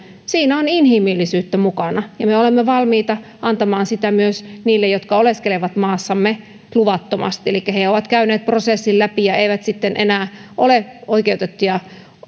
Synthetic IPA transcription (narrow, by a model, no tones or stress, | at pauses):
siːnæoninhimilːisyːt̪ːæmukɑnɑjɑmeolemːeʋɑlmiːt̪ɑ | ʔɑnt̪ɑmɑːnsit̪æmyøsniːlːejot̪kɑoleskeleʋɑt̪mɑːsːɑmːe | luʋɑt̪ːomɑ̰st̪ielikːæheoʋɑt̪kæyneːt̪̚prosesːillæpijɑeiʋæt̪sit̪ːenʔenæːʔoleoikeut̪et̪ːujɑ